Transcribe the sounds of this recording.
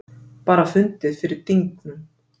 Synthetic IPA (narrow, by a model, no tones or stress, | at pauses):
paːɾafʏnt̪ɪðfɪɾɪɾ̥t̪iŋknʏm